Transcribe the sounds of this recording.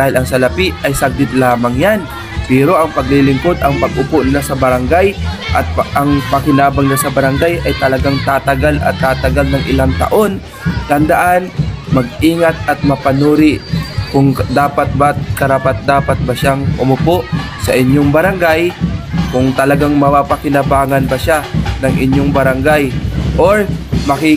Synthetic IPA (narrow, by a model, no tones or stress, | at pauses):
dd̪aːhɪlʔɐŋsɐlɐpiʔɐjsɐɡ̚d̪ɪt̪laːmɐŋjan | pɛːɾo̞ʔɐŋpɐɡlɪlɪŋko̞d̪ʔɐŋpɐɡʔʊpoʔnɪlasɐbɐɾɐŋɡajʔɐt̪̚ʔɐŋpɐkɪnaːbaŋɪlasɐbɐɾɐŋɡajʔɐjt̪ɐlɐɡaŋt̪aːt̪ɐɡalʔɐ̰t̪ːaːt̪ɐɡalnɐŋʔɪlaŋt̪ɐ̰ʔo̞n | t̪ɐnd̪ɐʔanmɐɡ̚iːŋɐt̪̚ɐt̪̚mɐpɐnuːɾɪʔkʊŋkd̪aːpɐt̪̚bat̪̚kɐɾaːpɐt̪̚d̪aːpɐt̪̚bɐʃaŋʔʊmʊpoʔ | sɐ̰ʔɪɲːoŋbɐɾɐŋɡajkʊŋt̪ɐlɐɡaŋmɐpapɐkɪnɐbaːŋɐnbɐʃanɐŋɪɲːoŋbɐɾɐŋɡajʔoɹmɐkɪ